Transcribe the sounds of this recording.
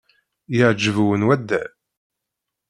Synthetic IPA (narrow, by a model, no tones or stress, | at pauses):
jəʕd͡ʒːəvuwənwæd̪ːæ